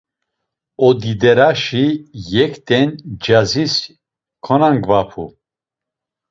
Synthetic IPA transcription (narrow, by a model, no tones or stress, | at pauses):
ɔd̪id̪ɛɾaʃijɛkʰt̪ʰʼɛnd͡ʒazis | kʰɔnaŋɡvapʰṵ